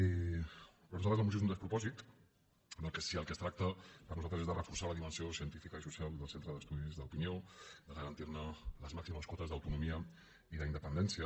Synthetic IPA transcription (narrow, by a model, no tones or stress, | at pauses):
pɾonuzalt̪ɾzəmusozunəspɾupɔzit̪ | nəlˠkesiəlˠkəst̪ɾak̚t̪əpəɾnuzalt̪ɾəzezðərəfuɾsaləðimənsiosiənt̪ifikəisusialˠd̪əlsent̪ɾəðəst̪uðizðəupiniod̪əɣəɾɐnt̪iɾnələzmaksiməskwɔt̪əzðəwt̪unumiə | iðəind̪əpənd̪ɛnsjə